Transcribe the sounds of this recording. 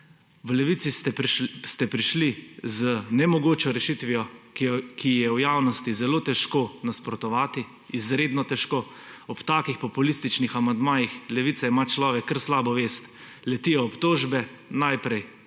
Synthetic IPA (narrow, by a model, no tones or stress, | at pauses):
ʋlɛʋiːt̪siɛst̪ɛpɾiʃlizənɛmɔɡoːt͡ʃɔɾɛʃit̪ʋiɔ | kʰijɛwjaːwnɔst̪izɛloːt̪ɛʃkonaspɾɔt̪ɔʋaːt̪iː | zɾeːd̪nɔt̪ɛʃkoː | ɔpt̪aːkixpɔpulist̪it͡ʃnixamand̪maːjixlɛʋit̪saimat͡ʃlɔːʋɛkːəɾslaːbɔʋeːst̪ | lɛt̪ijɔɔpt̪oːʒbɛ | najpɾɛj